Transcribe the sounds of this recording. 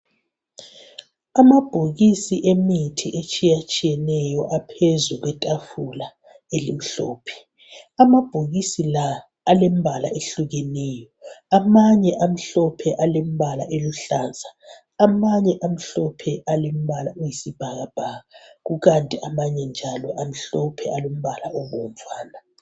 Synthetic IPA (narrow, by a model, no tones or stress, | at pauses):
amab̥ʱoɣisiʔemitʰiʔet͡ʃʼijat͡ʃʼijɛnɛjɔʔapʰezuɣwɛtʼafula | elim̩ɬɔːpʰɛ̥ | amab̥ʱoɣisilaː | lem̩bʱala̰eɬuɣɛnɛːjɔamaɲɛʔam̩ɬɔpʰɛʔalem̩βʱalaʔeluɬaːnzʱaː | maɲɛʔam̩ɬɔpʰɛʔalem̩βalaujisib̥ʱaɣab̥ʱaɣaɣuɣantʼiʔamaɲɛnd͡ʒʱalɔʔam̩ɬɔpʰɛʔalom̩βalaʔɔβɔntʼwaːna